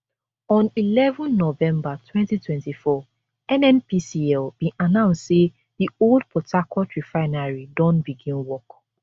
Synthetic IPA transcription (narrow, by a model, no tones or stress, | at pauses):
ɔ̃nilɛvɔ̃nːɔvɛ̃mbatʰwɛ̃ntitwɛ̃ntifɔ | ɛ̃nɛ̃npisiɛlbĩʔanãʊ̃nsse | ðioldpʰɔtakʰɔtɹifaɪnaɹidɔ̃nbiɡĩnwɔk